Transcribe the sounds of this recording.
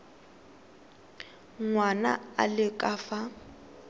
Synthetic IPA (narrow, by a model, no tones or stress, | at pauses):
ŋŋwana̰a̰lɪkʼafa